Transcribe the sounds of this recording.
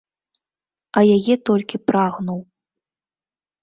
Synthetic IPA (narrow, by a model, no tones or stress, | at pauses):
ɐjajɛt̪ɔlʲkʲipɾaɣnuw